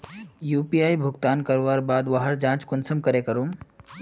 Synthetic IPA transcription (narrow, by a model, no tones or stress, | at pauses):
juːpiaːjbʱʊɡt̪aːnkəɾʋaɾbaːd̪ʋaɦəɾd͡ʒãːt͡ʃkʊnsəmkəɾekəɾuːm